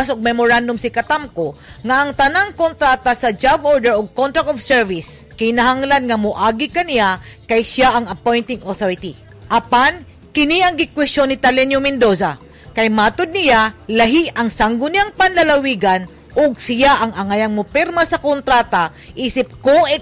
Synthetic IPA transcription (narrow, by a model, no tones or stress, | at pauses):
sʊɡ̚mɛmʊɹand̪ʊmsɪkɐt̪amkoŋaːŋt̪ɐnaŋkont̪ɾaːt̪asɐd͡ʒaɡʔoɹd̪ɛɹoɡ̚kont̪ɾakt̪ofsɛɹvis | kɪnaɦaŋlanŋɐmʊʔaːɡɪkɐnɪjakajsjaʔɐŋɐpojnt̪ɪŋoθoɾɪt̪i | ʔɐpan | kɪniʔɐŋɡɪkwɛst͡ʃonːɪt̪alɛnjomɛnd̪osa | kajmat̪ʊd̪̚nɪjalɐɦiɐŋsaŋɡʊnɪjaŋpanlɐlawiːɡan | ʔʊɡsɪjaʔɐŋɐŋajɐŋmʊpɛɾmasɐkont̪ɾat̪a | ʔiːsɪp̚koʔɛ